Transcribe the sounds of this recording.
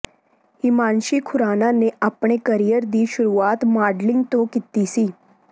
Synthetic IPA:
hiːmanɕiːkʰuɾananeʔapɳ̃ekəɾijəɾd̪iːɕuɾuat̪maɖliŋɡt̪okit̪isiː

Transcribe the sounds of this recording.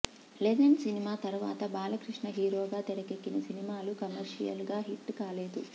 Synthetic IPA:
leːd̪ɐnsinimaːt̪ɐɾuʋa̰ːt̪ɐbaːlɐkɾiʂɳɐɦiːɾoːɡaːt̪eɾɐkekːinɐsinimaːlukɐmɐɾʂḭjɐ̰lɡaːɦiʈːkaːleːd̪u

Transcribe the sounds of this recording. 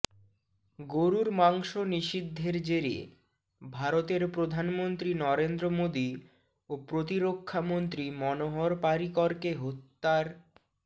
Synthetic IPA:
ɡoɾuɾmaŋʃoniʃid̪ʱːeɾd͡ʑeɾiḛ | bʱaɾot̪eɾpɾod̪ʱanmont̪ɾinɔɾend̪ɾomod̪i | opɾot̪̬iɾokʰːamont̪ɾimɔnoɦoɾpaɾikɔɾkeɦot̪ːaɾ

